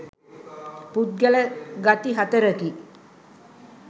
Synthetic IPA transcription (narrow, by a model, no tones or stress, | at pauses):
put̪̚ɡɛləɡat̪iɦat̪əɾəki